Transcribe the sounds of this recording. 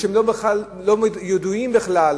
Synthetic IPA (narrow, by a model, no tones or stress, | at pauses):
emlobeχlalːomjod̪uimbeχlal